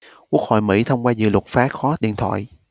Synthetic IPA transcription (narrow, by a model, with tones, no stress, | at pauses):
ku˦˥ək̚ho̰˧˨jmḭ˧˥t̪ʰə˧wŋ͡mkwaː˧zɨ̰˧˨lwə˨˩t̚faː˨˦˥xɔ˨˦ɗḭ˧˨ənt̪ʰwa̰ː˧˨j